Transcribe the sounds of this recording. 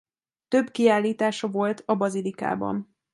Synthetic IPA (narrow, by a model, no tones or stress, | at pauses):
t̪ø̞bkiaːlːiːt̪aːʃɒvo̞lt̪ʰɒbɒzilika̰ːbɒ̰n